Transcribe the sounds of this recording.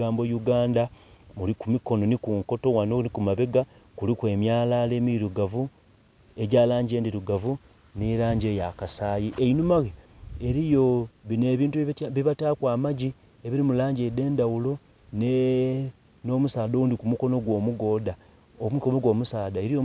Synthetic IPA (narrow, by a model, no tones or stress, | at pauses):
aːmbojuɡaːnda | mulikumiko̞no̞nikuŋko̞to̞wanonikumaβe̞ɡa | kulikwe̞ːmjaːlaːle̞ːmiiɾuɡavu | e̞ɟaːlaːɲɟe̞ːndiɾuɡavu | niɾaːɲɟe̞jakasaːjiʔeinumaɣeeɾijo̞βineβiːntuβiβatakwaːmaɟi | eβiɾimulaːɲɟede̞ːndawulo̞ | ne | no̞ːmusaːdoundikumuko̞no̞ɡwo̞ːmuɡo̞ːda | omikomoɡwo̞ːmusaːdaeɾijo